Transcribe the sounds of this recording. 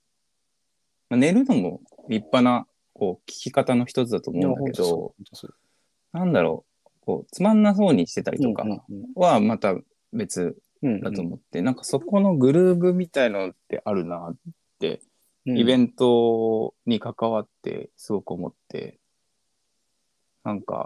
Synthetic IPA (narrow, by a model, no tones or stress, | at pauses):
mane̞ɾɯ̟no̞mo̞̰ | ɾʲipːana | ko̞ːkʲi̥kʲikat̪ano̞çi̥t̪o̞t͡sɨd̪at̪o̞ːmõ̞ːñd̪ake̞d̪o̞ | nãnd̪aɾo̞̰ | ko̞̰ːt͡sɨmãnːas̬o̞ːɲ̟iɕi̥t̪e̞t̪a̰ɾḭt̪o̞ka̰βamat̪a | be̞t͡sɨ | d̪at̪o̞ːmo̞t̪ːe̞nãŋkḁso̞ko̞no̞ɡɯ̟ɾɯ̟ːɡɯ̟mʲit̪ainanot̪ːe̞̰ʔaɾɯ̟nat̪ːe̞̰ | ibẽ̞nt̪o̞ɲ̟ikakaβat̪ːe̞̰sɨɡo̞kɯ̟o̞mo̞̰t̪ːe̞̰ | nãŋka̰